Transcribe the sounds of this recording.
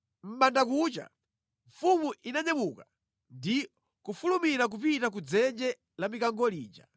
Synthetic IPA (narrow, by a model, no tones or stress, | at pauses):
m̩ɓandak̬ut͡ʃa̰ | ɱ̩fumuʔinaɲɛmuka | ndi | kufulumiɾak̬upitak̬ud͡zɛnd͡ʒɛ | lamikaŋɡɔliːt͡ʃa̰